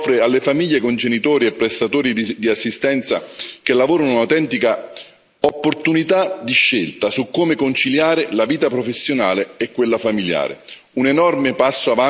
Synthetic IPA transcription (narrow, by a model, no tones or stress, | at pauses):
fɾealːefamiʎːekond͡ʒenit̪oːɾiɛpːɾest̪at̪oːɾid̪id̪iasːist̪ɛnt̪sa̰k̟elːavoːɾanounawt̪ɛnt̪ika | opːort̪unit̪ad̪iʃːelt̪asukːomekont͡ʃiljaːɾɪlaviːt̪apɾofesːjonaːleːkːwelːafamilja̰ːɾɪ̰ | unenɔrmɪpasːoava